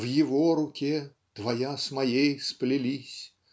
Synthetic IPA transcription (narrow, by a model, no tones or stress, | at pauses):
wjɪvɔɾukʲɛ | d̪̥vajasmajejsplʲilʲisʲ